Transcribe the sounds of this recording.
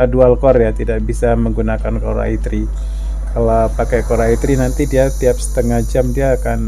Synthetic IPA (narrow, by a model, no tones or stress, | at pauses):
adualkɔrjat̪idaʔbisaməŋɡunakankoɾa̰it̪ɾi | kalapakajkoɾait̪ɾinant̪idiat̪iap̚sə̥t̪əŋahd͡ʒamdiaːkan